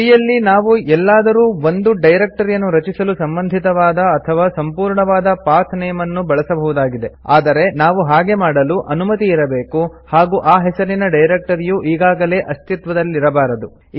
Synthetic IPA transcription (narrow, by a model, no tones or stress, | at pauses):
ijɐlːinaːʋuʔɛlːaːd̪ɐɾuːo̞nd̪uɖɐjɾek̚ʈɐɾjɐnːuɾɐt͡ʃisɐlusɐmbɐnd̪ʱit̪ɐʋaːd̪ɐːt̪ʰɐʋaːsɐmpuːɾɳɐʋaːd̪ɐpaːt̪ʰnɛjɐmɐnːubɐɭɐsɐbɐɦud̪aːɡid̪e̞a̰ːd̪ɐɾe̞naːʋuɦaːɡe̞maːɽɐluʔɐnumɐt̪iːɾɐbeːkuhaːɡuʔaːɦɛsɐɾinɐɖɐjɾek̚ʈɐɾijuʔiːɡaːɡɐle̞ːʔɐst̪it̪ʋɐd̪ɐlːiɾɐbaːɾɐd̪u